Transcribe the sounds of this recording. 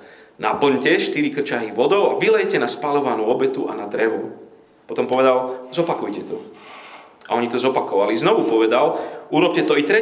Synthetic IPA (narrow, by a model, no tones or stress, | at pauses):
napl̩ɲcɛʃt̪iɾikr̩t͡ʃaɦiʋɔd̪ɔʊaʋilɛjcɛnaspalɔʋanuːɔbɛt̪uanad̪ɾɛʋu | pɔt̪ɔmpɔʋɛd̪alzɔpakujcɛt̪ɔ | a̰ɔɲit̪ɔzɔpakɔʋaliznɔʋupɔʋɛd̪aluɾɔp̚cɛt̪ɔit̪ɾɛ